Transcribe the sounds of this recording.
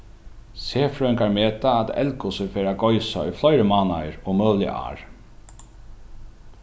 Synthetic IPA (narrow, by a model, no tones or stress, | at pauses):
seːfɾœŋkaɹmeːt̪aːt̪ɛ̰lkʊsɪfeːɾaɡɔjsaɔ̰jflɔjɾɪmaːnajɾɔmœːðlɪ̰ʔa̰ːɹ